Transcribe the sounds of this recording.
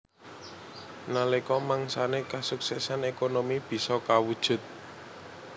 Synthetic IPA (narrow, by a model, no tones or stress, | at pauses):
nalekɔmaŋsanekasuksɛsanekonomib̥i̤sɔkawud̥ʒ̥ʊ̤t̪̚